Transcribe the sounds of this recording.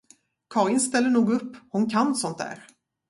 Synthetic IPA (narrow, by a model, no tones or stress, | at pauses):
kʰɑːɾɪnst̪ɛlːəɳuːɡɵpːhʊnkʰanːsɔnt̪̚d̪æ̰ːɾ